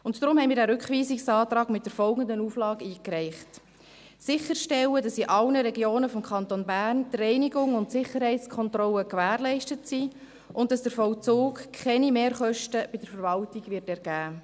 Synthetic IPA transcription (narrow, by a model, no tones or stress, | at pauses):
ʊntdɾʊmhɛɪmiːɾdæɾʉkχʋiːsiksɑːt̪ɾɑːɡmɪt̚d̥əɾfɔlɡəndənuflɑːɡiːkrɛɪχt | sɪχːəɾʃtɛwədɑsiʔɑlnəɾɛɡjoːnəfɔmkʰχɑntonbæːrntrɛɪniɡʊŋʊntsɪχəɾhɛɪt͡skʰɔntrɔləkʋæːɾlɛɪʃtətsiː | ʔʊnt̚dɑsd̥əɾfɔwt͡suːkkʰɛnimeːɾχœʃtəb̥ɪdəɾfəɾvɑltiɡʋɪrtɛɾɡ̥æː